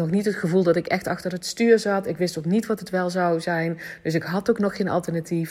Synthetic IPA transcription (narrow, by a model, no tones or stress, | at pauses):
nɔxnitɦətxəvulˠdɔtɪkɛxtɑxtərətstyːɹzɑtɪkʋɪstoknitʋɔtətʋɛlˠzawzɛjnd̥øs̬ɪkɦɑtoknɔxːejnʔɑ̰lˠtərnatʰif